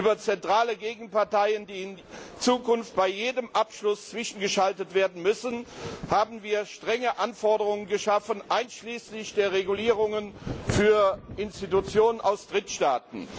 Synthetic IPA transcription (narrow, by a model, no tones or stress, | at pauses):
yːbɐt͡sɛntʁ̥aːləɡeːɡŋ̩paɐtaɪəndiːɪnt͡suːkʊnft̚b̥aɪjeːdəmʔapʃlʊst͡sv̥ɪʃn̩ɡəʃaltətv̥eːɐdn̩mʏsn̩haːbm̩viːɐʃtʁ̥ɛŋəʔanfɔɐdəʁʊŋənɡəʃafənʔaɪnʃliːslɪçd̥eːɐʁeɡuliːʁʊŋənfyːɐʔɪnstitut͡sjoːnənʔaʊsd̥ʁɪtʃtaːt̚n̩